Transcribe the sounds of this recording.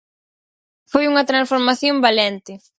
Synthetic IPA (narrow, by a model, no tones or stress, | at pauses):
fojuŋɐt̪ɾãnsfoɾmaθjõmbalɛnt̪ɪ